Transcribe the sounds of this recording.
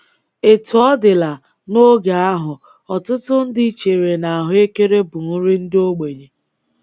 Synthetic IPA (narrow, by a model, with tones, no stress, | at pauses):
e˨tu˨ɔ˦dɪ˨la˨ | no˦ɡa˨a˦ɦʊ˨ | ɔ˨tʊ˦tʊ˦n̩˦dɪ˦t͡ʃe˨ɾe˨na˨a˨ɦʊ˦e˦ke˦ɾe˦bʊ˨ŋ̩˦ɾi˦n̩˦do˦ɡ͡be˨ɲe˨